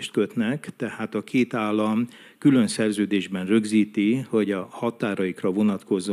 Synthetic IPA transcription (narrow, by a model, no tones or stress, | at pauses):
ʃt̪̚køt̪nɛkt̪ɛhaːt̪ɒkʰeːt̪aːlːɒm | kylø̞nsɛrzøːd̪eːʒbɛnrø̞ɡziːt̪iho̞ɟɒhɒt̪aːɾɒjikrɒvo̞nɒt̪ko̞zo